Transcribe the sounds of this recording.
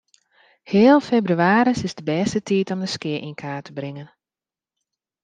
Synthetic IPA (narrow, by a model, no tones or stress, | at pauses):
hɪːəlˠfebryaːɾəsɪzdəbɛstətiːtɔmdəskɪəʔinkʰaːtʰəbrɪŋən